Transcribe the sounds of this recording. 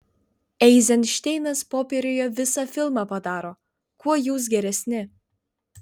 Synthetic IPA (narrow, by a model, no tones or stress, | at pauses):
ɛɪzʲɛnʃʲt̪ʲɛɪnɐspoːpʲeːɾʲoːjɛʋʲɪsɑfʲɪlˠmɑːpɐd̪ɑːɾoː | kuɔjuːs̬ɡʲɛɾʲɛsʲnʲɪ